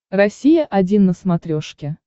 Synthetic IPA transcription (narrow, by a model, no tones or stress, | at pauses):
rɐsʲijəʔɐdʲinːəsmɐt̪ɾʲoʂkʲɪ